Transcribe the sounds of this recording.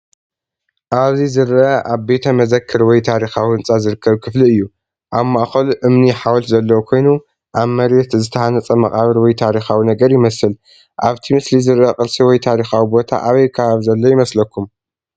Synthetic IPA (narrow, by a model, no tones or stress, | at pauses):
ʔaβzizɨɾaʔaβbe̞t̪ʰɐmɐzɐkʰːɨɾwɔjt̪ʰaɾixawiɨnt͡sʼazɨɾɨkʰːɐβkʰɨfliɨjːu | ʔaβmaʔxɐlʔɨmniħawɔt̪zɐlːɐwkʰo̞jnu | ʔaβmɐɾet̪zɨt̪ʰɐħanɐt͡sʼɐmɐχʼaβɨɾwɔjt̪ʰaɾixawinɐɡɐɾjɪmɐsɨl | ʔaβt̪ʰimɨslizɨɾɐqʼɨlsiwɔjt̪ʰaɾixawibo̞t̪ʰa̰ʔaβɐjkʰɐβaβzɐlːo̞jɪmɐslɐkʰːum